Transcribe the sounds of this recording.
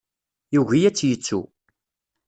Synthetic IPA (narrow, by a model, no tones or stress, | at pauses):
juʝijæt͡sːjət͡sːṵ